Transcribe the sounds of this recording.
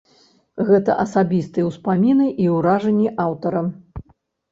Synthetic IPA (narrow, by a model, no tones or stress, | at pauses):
ɣɛt̪ɐ̰ʔɐsabʲist̪ɨjɛwspamʲinɨʔiwɾaʐɐnʲːiʔawt̪ɐɾɐ